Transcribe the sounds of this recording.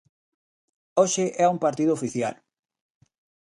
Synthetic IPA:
oʃɪʔɛuŋpaɾt̪iðʊofiθja̰l

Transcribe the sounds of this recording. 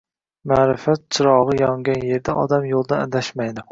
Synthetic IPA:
maɾɨfæt̪̚t͡ʃʰɨɾɒʁɨjɒŋɡʲɛnjeɾd̪ɛʔɒ̰d̪amjolˠd̪ɨnæ̰d̪æʃmæjd̪ʊ

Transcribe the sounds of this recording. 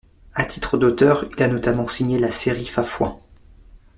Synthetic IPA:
at̪ʰi̥t̪χəd̪ot̪œʁilanɔt̪amɑ̃siɲelaseʁifafwã̰

